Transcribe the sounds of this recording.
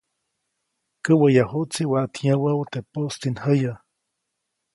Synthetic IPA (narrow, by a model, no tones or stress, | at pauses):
kəwəjahut͡siwaʔt̪ʰjãwawt̪epost̪inhəja